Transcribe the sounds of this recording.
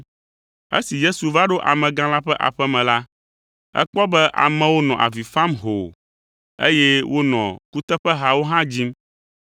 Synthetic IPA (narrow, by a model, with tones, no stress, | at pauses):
ḛ˦si˨je˦su˨va˦ɖo˦ʔa˨mɛ̃˨ɡã˦la˦ɸɛ˦ʔa̰˨ɸɛ˦mɛ̃˨la˦ | ɛ̰˦k͡pɔ˦bɛ˦ʔa̰˨mɛ̃˨wo˦nɔ̃˨ʔa̰˨vi˨fa˦mɦo̰˨ | ḛ˦jɛ˦wo˦nɔ̰̃˨ku˦t̪ɛ˦ɸɛ˦ɦa˨wo˦ɦã˦d͡ʑi˦m